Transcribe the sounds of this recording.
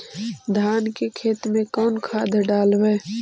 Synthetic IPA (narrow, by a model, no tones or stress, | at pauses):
d̪ʱaːnkekʰeːt̪mẽkɔːnkʰaːd̪ʱɖaːlɛː